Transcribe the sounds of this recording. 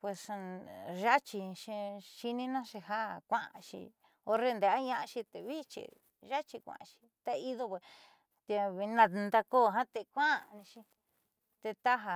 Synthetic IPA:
pwe˧s | ʒa˦t͡ʃi˧ʃi˧ʃi˧nĩ˦nã˦ʃi˧ɦa˦kʷã˦˧ã̰˧ʃḭ˧ | o˧ɾe˧nd̪e˨a˦ɲã˧ʔa˧ʃi˧t̪e˧βi˦t͡ʃḭ˧ | ʒa˦t͡ʃi˧kʷã̰˧ʃi̥˧t̪a˧i˧ðo˧pe˧˨ | t̪e˧βi˧nã˧nd̪a˧ko˦˨ɦã˦t̪e˧kʷã˦˧nĩ˧ʃi˧ | t̪e˧t̪a˦ɦa˧

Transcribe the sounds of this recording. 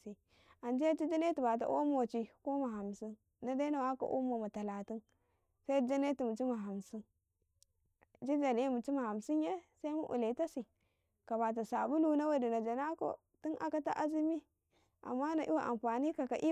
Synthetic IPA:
si˨ | a˨nd͡ʒi˦ja˦t͡ʃi˦d͡ʒa˦ne˦ti˨ba˨t̬a̰˨ʔo˦m˦o˨t͡ʃi˨ko˦ma˨ɦa˨msi˦n | na˦da˦na˨wa˦ko̰˨ʔo̰˦mo˨ma˨ta˨la˨ti˦n | sa˦i˦d͡ʒa˦ne˦ti˨mu˨t͡ʃi˦ma˨ɦa˨msi˦n | d͡ʒi˦d͡ʒa˨n˨˦mu˨t͡ʃi˦ma˨ha˨msi˦n˦je˦sa˦i˦mu˦ʔṵ˨le˨ta˦si˨ | ka˨βa˨t̬a˨sa˨bu˦lu˦na˦we˦di˨na˨d͡ʒa˨na˦ko̰˨ | ti˦nʔa̰˨ka˦ta̰˦ʔa˦zi˦mi˦ | ʔa̰˨mːa˦na˨ʔi˦wa˨ʔa̰˨mfa˨ni˦ka˨ka˨ʔi˦

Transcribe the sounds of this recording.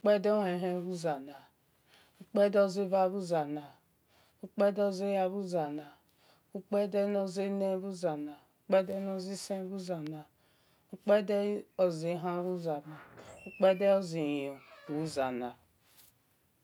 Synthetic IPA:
u˦k͡pe˦de˦o˦ɦe˨ɦe˦ɾu˦za˨na˨ | u˦k͡pe˦do˦zi˦va˦bu˦za˨na˨ | u˦k͡pe˦do˦zi˦ja˦bu˦za˨na˨ | u˦k͡pe˦de˦no˦zi˦ne˦bu˦za˨na˨u˦k͡pe˦de˦no˦zi˦se˦bu˦za˨na˨ | u˦k͡pe˦de˦o˨zi˨˦ɦa˦βu˦za˨na˨u˦k͡pe˦de˦o˦zi˨jo˨u˨u˦za˨na˨

